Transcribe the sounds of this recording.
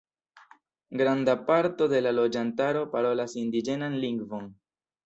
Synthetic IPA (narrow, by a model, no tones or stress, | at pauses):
ɡɾandapaɾto̞de̞lalo̞d͡ʒantaɾo̞paɾo̞lasindid͡ʒe̞nanliŋɡvo̞n